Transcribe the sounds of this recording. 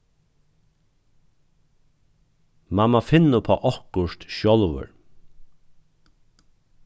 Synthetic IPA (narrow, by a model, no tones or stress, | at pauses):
mamafɪnːəpʰɔ̰ːʔɔhkʊʃt̪ʃɔlʋə̰ɹ